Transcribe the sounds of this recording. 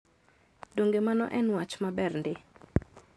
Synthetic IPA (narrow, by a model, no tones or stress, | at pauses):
doŋɡemanɔ̰ʔɛnwat͡ʃmabɛrndɪ